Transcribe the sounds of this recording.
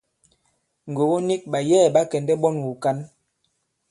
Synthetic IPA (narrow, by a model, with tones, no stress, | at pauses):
ŋ˨ɡo˨wo˦ni˦k̚ɓa˨jɛː˦˨ɓa˦kɛ˨ndɛ˦ɓɔ˦nwu˨ka˦n